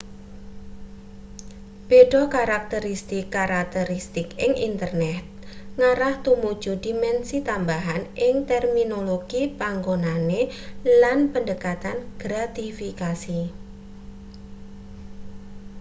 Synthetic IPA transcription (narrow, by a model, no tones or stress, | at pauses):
b̥eɖ̥ɔkaɾak̚t̪əɾist̪ɪkːaɾak̚t̪əɾist̪ɪkɪŋʔḭnt̪ərnɛt̪̚ŋaɾaht̪umud̥ʒ̥udimɛnsit̪ambaɦanʔɪŋt̪ɛrminoloɡ̥ipaŋɡonanelanpəndəkat̪anɡ̥ɾat̪ifikasi